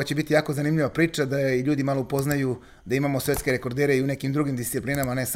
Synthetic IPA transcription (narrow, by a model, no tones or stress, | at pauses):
at͡ɕebit̪ijaːkozanimʎiʋapɾiːt͡ʃad̪aiʎuːd̪imalo̞upo̞znaju | d̪aimamo̞sʋe̞t̪ske̞ɾe̞ko̞ɾd̪eːɾe̞iune̞kimd̪ɾuɡimd̪ist̪siplinamane̞s